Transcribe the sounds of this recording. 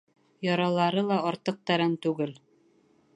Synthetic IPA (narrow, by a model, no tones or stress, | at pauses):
jɒɾɑlˠɑɾɤlˠɑɒɾt̪ɤq̚t̪æɾænt̪ʉɡɘl